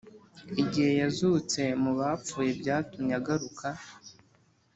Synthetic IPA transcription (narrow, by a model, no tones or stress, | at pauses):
iɟihe̞jazut͡se̞muβap͡fuːje̞bɟaːtuɲɲaɡaɾuka